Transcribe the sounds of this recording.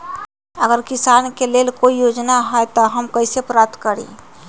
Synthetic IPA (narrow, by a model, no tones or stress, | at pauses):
əɡəɾkisankelelkoijod͡ʒnaɦɔjt̪ɔɦəmkəɪsepɾap̚t̪kəɾḭ